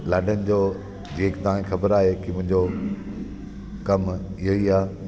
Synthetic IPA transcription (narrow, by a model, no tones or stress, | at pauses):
laːɖənɪ̆d͡ʑoː | d͡ʑeːkɪt̪ɐʋãːẽxɐbəɾaːɦekɪmʊ̃ɦɪ̃ɲd͡ʑo | kɐmɪɦoiaː